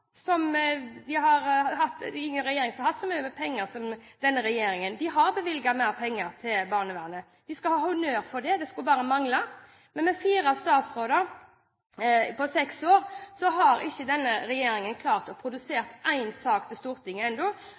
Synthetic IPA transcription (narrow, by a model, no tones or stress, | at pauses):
sɔmd̪ɪɦɑɾhɑt̪ːɪŋːənɾɛjeːɾɪŋsɑɾhɑt̪ːsɔmyːəmɛpʰɛŋːəɾsɔmd̪̥ɛnːəɾɛjeːɾɪŋənd̪ɪɦɑɾbɛʋɪlɡɑmæɪʁpʰɛŋːəɾt̪ʰɪlbɑːʁnəʋæːʁnə | d̪̥ɪskɑhɑːhɑnøːɾfɔd̪ɛd̪ɛskʉlbɑːɾəmɑŋlɑ | mɛnmɛfiːɾɑst̪ɑːt̪sɾoːd̪əɾ | pʰɔsɛksoːɾsɔɦɑɾɪçːəd̪ɛnːəɾɛjeːɾɪŋənkʰlɑːʁt̪ɔpʰɾʊd̪ʉseːʁt̪ʔæɪnsɑːkt̪ʰɪst̪uːɾt̪ʰɪŋːəɛnd̪ɔ